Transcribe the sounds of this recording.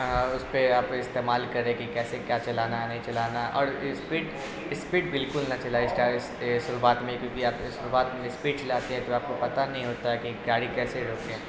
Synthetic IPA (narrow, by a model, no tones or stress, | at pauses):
ʊspeaːp̚koɪst̪eːmaːlkɐɾẽkikɛːsekjaːt͡ʃɐlaːnanɐɦĩt͡ʃɐlaːnaʔɔ̰ːɾɪspiːʈ | ɪspiːʈbɪlkʊlnɐt͡ʃɐlaːisʈaːɪssʊɾuaːt̪mẽkjõːkiaːpsʊɾuʋaːt̪mẽɪspiːʈ̚t͡ʃɐlaːt̪eɦɛ̃t̪oaːp̚kopɐt̪anɐɦĩɦoːt̪aɦɛkiɡaːɽikɛːseɾoːkẽː